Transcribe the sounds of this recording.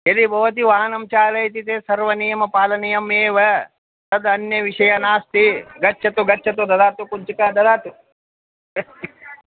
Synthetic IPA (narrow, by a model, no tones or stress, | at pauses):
ed̪ibʱɐʋɐt̪̬iʋaːɦɐnɐmt͡ʃaːlɐjt̪̬it̪eːsɐɾʋɐnijɐmɐpaːlɐnijɐmeːʋɐ | t̪ɐd̪ɐnjɐʋiʂɐjɐnaːst̪iɡɐt͡ʃʰːɐt̪uɡɐt͡ʃʰːɐt̪ud̪ɐd̪aːt̪ukuɲt͡ʃikɐd̪ɐd̪aːt̪u